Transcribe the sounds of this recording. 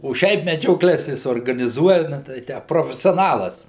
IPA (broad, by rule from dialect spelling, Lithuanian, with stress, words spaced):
oː ˈʃʲɛɪp mʲɛd͡ʒʲoːˈklʲɛs ˈjɪs oːrɡɐnʲɪˈzuɔjɛ nɐ tʲɛɪ ˈtʲæː proːfʲɛsʲoːˈnɑːlˠɐs